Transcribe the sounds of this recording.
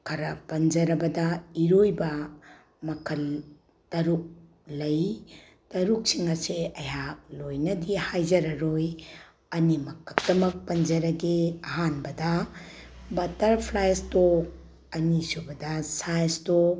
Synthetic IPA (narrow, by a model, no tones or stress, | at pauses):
kʰɐɾɐpɐnd͡ʒɐɾɐbɐdɐiɾojbɐ | mɐkʰɐl | tɐɾuk̚ː | ɐj | tɐɾuk̚siŋɐseɐjhak̚lojnɐdihajd͡ʒɐɾɐɾoj | ɐnimɐkʰɐk̚dɐmɐk̚pɐnd͡ʒɐɾɐɡeɐɦanbɐdɐ | bɐtɐɾpʰlajsto | ɐnisubɐdɐsajsto